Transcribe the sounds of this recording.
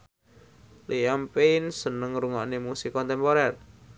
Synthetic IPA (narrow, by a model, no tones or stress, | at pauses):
liampensənəŋɾuŋɔʔnimusikɔnt̪ɛmpɔɾɛr